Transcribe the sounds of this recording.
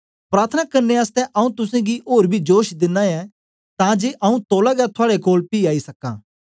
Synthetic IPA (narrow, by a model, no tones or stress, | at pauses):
pɾaːɾt̪ʰənakɐɾneaːst̪ɛ̃ʔɐũt̪ʊsẽɡioːɾbʱid͡ʒoːʃd̪ɪnːãɛ | t̪ãːd͡ʒeːʔɐũt̪oːlaɡat̪ʰʊaːɽekoːlpiːaːisɐkã̰ː